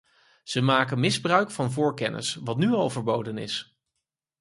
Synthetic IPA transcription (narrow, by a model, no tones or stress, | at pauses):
z̥əmaːkənmɪzbrœɥkfɑnvʊːɹkɛnʔɪ̰sʋɑtnyɑlˠvəɹbowdənɪ̰s